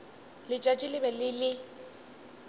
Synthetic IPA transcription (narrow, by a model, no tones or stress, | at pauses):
lɪt͡ʃʼat͡ʃʼɪlɪbɛlɪlɪ